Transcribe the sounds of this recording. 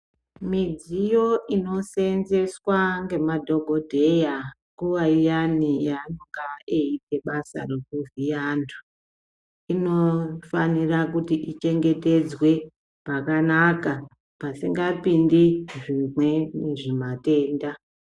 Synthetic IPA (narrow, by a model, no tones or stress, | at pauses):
mid͡zijo̞ʔino̞se̞nze̞swaŋɡe̞madʱo̞ɡʱo̞dʱe̞jaŋɡuʋaijanijanoŋɡaeite̞ɓasa̰re̞kuvijandʰu | ino̞fanirakutiʔit͡ʃe̞ŋɡe̞te̞d͡zwe̞ | pakanaka | pasiŋɡapindiʐimwe̞neʐimate̞ːnda